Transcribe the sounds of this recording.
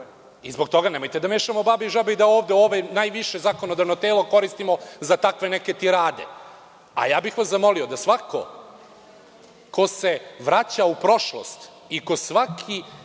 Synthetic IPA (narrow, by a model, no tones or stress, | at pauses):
izbo̞kt̪o̞ɡanemo̞jt̪ed̪ameːʃamo̞babiʒabeid̪aoːʋd̪eoːʋenajʋiʃe̞zaːkono̞d̪aʋnot̪eːlˠoko̞ɾist̪imo̞zat̪akʋe̞neke̞t̪iɾaːd̪e̞̰ | a̰jaːbixʋaszamo̞lio̞d̪asʋako̞̰ | ko̞se̞ʋɾat͡ɕaupɾo̞ʃlˠo̰st̪ | iko̞sʋakʰi